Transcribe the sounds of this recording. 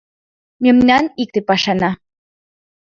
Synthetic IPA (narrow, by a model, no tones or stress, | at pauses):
memnɑnik̚t̪epɑʃɑnɑ